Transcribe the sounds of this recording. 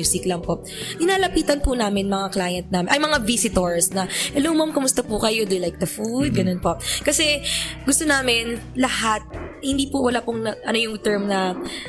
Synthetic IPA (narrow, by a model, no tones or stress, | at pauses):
uːsɪklɐŋpo | ʔɪnaːlɐpiːt̪ɐnpʊnaːmɪnmɐŋaklaːjɐnt̪̚naːmɪnʔɐjmɐŋavisɪt̪oɹsnɐʔɛlomɐmkʊmʊst̪ɐpʊkɐjo̞d̪ʊlajk̚d̪ɐfud̪̚ɡɐnonpokɐsɛɡʊst̪onaːmɪnlɐhat̪̚hɪnd̪iːpʊwɐlaːpʊŋnɐʔɐno̞jʊŋt̪ɛɹmnɐ